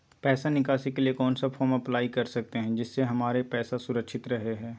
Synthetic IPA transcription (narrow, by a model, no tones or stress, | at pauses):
pɛːsanɪkaːsikeliekɔːnsafʰɔːɾmɐplaːikɐɾsɐk̚t̪eɦɛ̃d͡ʒɪsːeɦɐmaːɾepɛːsasʊɾəkʃɪt̪ɾɐɦeɦɛ̃ː